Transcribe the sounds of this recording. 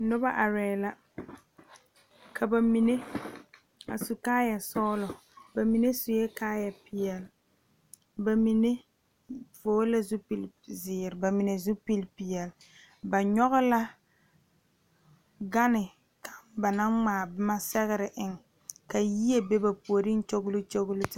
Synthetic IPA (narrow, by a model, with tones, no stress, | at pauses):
nʊ˦ba˦ʔa˨ɾɛː˨˦˨la˦ | kʰa˨ba˨mi˨ne˦ | a̰˨su˨kaː˦ja˨sɔː˦lɔ˨ | ba˨mi˨ne˦sʊ˨jɛ˦kaː˦ja˨pɪ˨jɛ˨l | ba˨mi˨ne˦ | voː˨˦la˦zʊ˦pi˨l | zɪː˨ɾɪ˨ba˨mi˨ne˨zu˦pi˦lpɪ˨jɛ˨l | ba˨ɲɔ˦ɣʊ˦la˦ | ɡa˦nɪ˨ | kʰa˨mba˨na˦ŋŋ͡maː˨bɪ˦ma˦sɛ˦ɣɪ˦ɾɪ˨ʔɪ˨ŋ | ka˨ji˦e˨be˦ba˨pu˨o˨ɾi˦n̩˦t͡ʃo˦ɡʊ˦lʊ˦t͡ʃo˦ɡʊ˦lʊ˦tɪ˦